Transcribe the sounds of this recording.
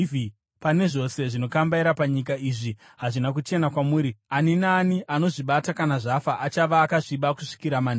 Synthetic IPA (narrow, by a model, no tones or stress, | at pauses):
pane̞ʐo̞se̞ʐino̞kambaiɾapaɲik̬aiːʐi | ɦaʐinak̬ut͡ʃe̞nakwamuːɾianinaːniʔano̞ʐiɓatakanaʐafaʔat͡ʃaʋaːkaʐiɓakuʂi̥kiɾamani